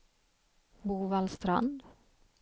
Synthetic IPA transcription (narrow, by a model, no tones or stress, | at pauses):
buːvalst̪ɾa̰nd̪